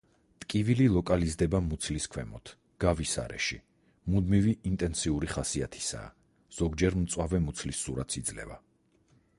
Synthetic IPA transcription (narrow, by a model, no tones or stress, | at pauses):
t̪ʼkʼivililˠɔkʼalizd̪ɛbamut̪sʰliskʰwɛmɔt̪ʰ | ɡ̥avisa̰ɾɛ̰ʃi | mud̪miviʔːnt̪ʼɛnsiuɾiχasiat̪ʰi̥sa̰ː | z̥ɔɡd͡ʒɛɾmt̪sʼwavɛmut̪sʰlisːuɾat̪sʰid̪zlɛ̰va